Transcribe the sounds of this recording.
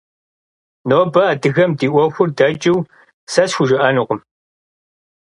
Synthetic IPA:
noːbɐːdɨɣɐmdiːʔʷɔxʷʊrdɐt͡ʃʼɪw | sɐsxʷʊʒɪʔɐnuqʊm

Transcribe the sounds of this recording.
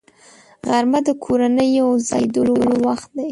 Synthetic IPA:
ɣaɾmad̪əkʰoɾanəjawzɑjd̪ololowaxt̪̚d̪aj

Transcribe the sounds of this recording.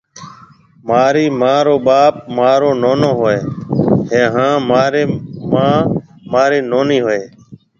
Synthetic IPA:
maːɾiːmãːɾoːɓaːp̚maːɾoːnoːnoːɦoːeːɦẽːɦãːmaːɾeːmãːmaːɾiːnoːniːɦoːeː

